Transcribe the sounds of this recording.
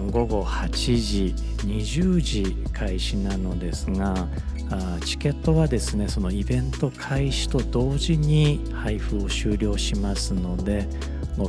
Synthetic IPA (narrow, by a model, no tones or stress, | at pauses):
ɡo̞ɡo̞hat͡ɕiʑi | ɲ̟iʑɨːʑi | kʰaiɕinano̞d̪e̞sɨŋa | t͡ɕi̥ke̞t̪ːo̞βad̪e̞sɨne̞so̞no̞ibẽ̞nt̪o̞kʰaiɕi̥t̪o̞d̪o̞ːʑiɲ̟i | haiɸɯo̞ɕɨːɾʲo̞ːɕimasɨno̞d̪e̞ | mo